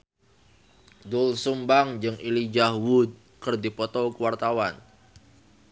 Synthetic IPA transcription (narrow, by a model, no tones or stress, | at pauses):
dʊlsumbaŋd͡ʒɨŋilid͡ʒahwud̪̚ | kɨrdipɔt̪ɔkuwart̪awan